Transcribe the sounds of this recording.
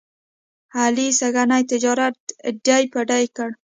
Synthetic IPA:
halisaɡanajt̪ɪd͡ʒɑɾat̪̚dajpaɖajkəɽ

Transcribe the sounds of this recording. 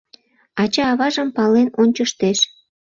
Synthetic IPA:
ɑt͡ɕɑːβɑʒə̆mpɑlenonʲt͡ɕəʃt̪eʃ

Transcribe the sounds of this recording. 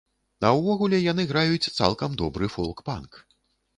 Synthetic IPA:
nɐwvɔɣulʲɛjanɨɣɾajut͡sʲt̪sa̰lˠkɐmd̪ɔbɾɨfɔlˠkpa̰nk

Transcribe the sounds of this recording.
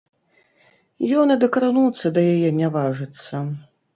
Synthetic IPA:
jɔnɐd̪ɐkɐɾɨnut̪sːɐd̪ɐjajɛnʲavaʐɨt̪sːɐ

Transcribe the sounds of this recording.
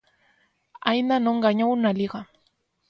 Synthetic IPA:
ajnanoɴɢɑɲawnaliɢɑ

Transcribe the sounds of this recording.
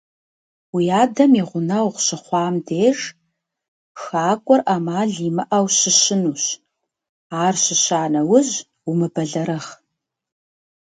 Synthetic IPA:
wijaːdɐmiʁʷʊnɐwʁʷɕɪχʷɑːmdeːʒ | xaːkʷʼɔrʔaːmaːɮiːmɐʔɐwɕɪɕɪnuːɕ | aːrɕɪɕaːnɐwʊʑ | umɨbɐɮɐɾɐχ

